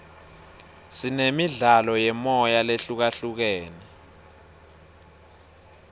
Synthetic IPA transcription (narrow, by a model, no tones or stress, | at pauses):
sinemiɮalɔjɛmɔjaleɬuk̬aɬuk̬eːnɛ